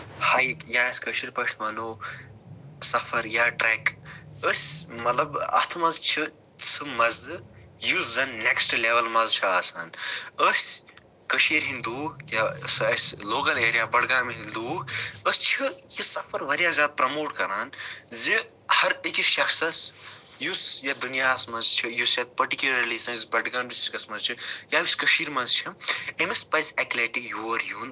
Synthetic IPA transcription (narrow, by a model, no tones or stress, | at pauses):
haːjikjaːɐsʲkəʃiːɾpɐʃʰmɐnoː | sɐfʰɐɾjaːʈɾeːkəsʲmɐt̪lɐbɐ̰t̪ʰmɐzt͡ʃʰi | t͡sʰɨmɐzjuzzɐnːeksʈleʋɐlmɐzt͡ʃʰiaːsa̰ːnəsʲ | kɐʃiːɾɦind̪uːjasɐsʲloːkɐleːɾijaːbɐɽɡaːmiɦind̪uːəst͡ʃʰijisɐfɐɾʋɐɾjaːzʲjaːd̪̚pɾɐmoːʈkɐɾaːnzi | hɐɾekiʃɐxsɐs | jusjɐd̪unijaːsmɐzt͡ʃʰijusɐt̪̚pɐɾʈikʲulɐɾliːsɐnisbɐʈɡɐɳisʈikɐsmɐ̃zt͡ʃʰijaːʋisʲkɐʃiːɾmɐnzt͡ʃʰiemespɐjsɛkleʈijuʋɐɾjun